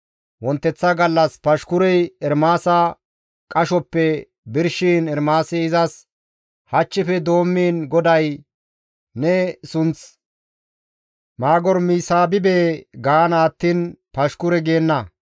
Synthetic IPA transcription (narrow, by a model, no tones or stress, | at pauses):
wɔnt̪ːɛt͡sːɐɡɐlːɐspɐʃkʊɾɛjɛɾmaːsɐ | kʼɐʃɔpːɛ | bɪɾʃiːnɛɾmaːsɛɪzɐs | hɐt͡ʃːɪfɛd̪o̞ːmːiːnɡɔd̪ɐj | nɛsʊnt͡s | maːɡɔɾmiːsaːbɪbeːɡaːnaːt̪ːiːnpɐʃkʊɾɛɡeːnːɐ